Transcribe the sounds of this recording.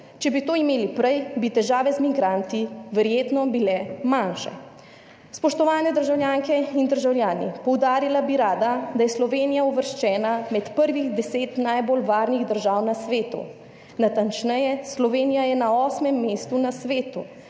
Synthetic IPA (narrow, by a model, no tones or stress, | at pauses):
t͡ʃɛbit̪oːimeːlipɾɛjbit̪ɛʒaːʋɛzmiɡɾant̪iʋɛɾjeːt̪nɔbilɛmanʃɛ̰ | spɔʃt̪ɔʋaːnɛd̪əɾʒawljaːŋkɛind̪əɾʒawljaːnḭpɔwd̪aːɾilabiɾaːd̪ad̪ajɛslɔʋeːnijauʋəɾʃt͡ʃɛːnamɛt̪pəɾʋiɣd̪ɛseːt̪najbolʋaːɾniɣd̪əɾʒaːwnasʋeːt̪ṵ | nat̪ant͡ʃnɛjɛslɔʋeːnijajɛnaɔːsmɛmːeːst̪unasʋeːt̪u